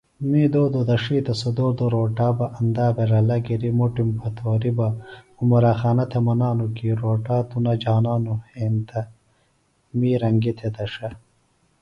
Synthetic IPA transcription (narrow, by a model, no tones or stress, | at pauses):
miːd̪oːd̪od̪ɐʂiːt̪ɐsod̪oːɾd̪oɾoːʈaːbɐʔɐnd̪aːbeɾɐlɐɡiɾimoʈimpʰɐt̪ʰoːɾibɐ | umɐɾaːxaːnɐt̪ʰemɐnaːnukiɾoːʈaːt̪unɐd͡ʑaːnaːnuheːnt̪ʰɐ | miːɾɐŋɡit̪ʰed̪ɐʂɐ